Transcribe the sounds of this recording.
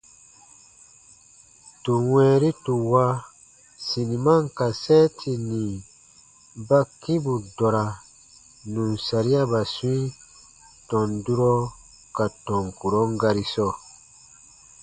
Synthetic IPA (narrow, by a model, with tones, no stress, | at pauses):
tu˨wɛ̃ː˦ɾi˦tu˨wa˦ | si˨ni˨ma˦˨ŋka˨sɛ˦tʰi˨nĩ˨ | ba˦kĩ˦bu˨dɔ˨ɾa˨ | nũ˨nsa˨ɾi˦a˦ba˨su˦ĩ˦ | tɔ̃˨ndu˦ɾɔ˦ | ka˨tɔ̃˨ŋku˨ɾɔ˨˦ŋ˦ɡa˧ɾi˦sɔ˦